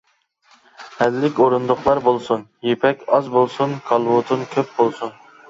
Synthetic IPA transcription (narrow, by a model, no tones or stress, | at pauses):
hɛlːɪkʲoɾund̪ʊqlˠɑɾbolˠsunjepʰɛkʲɑzbolˠsunkʰɑlˠwot̪ʰɨnkʲʰøp̚bolˠsun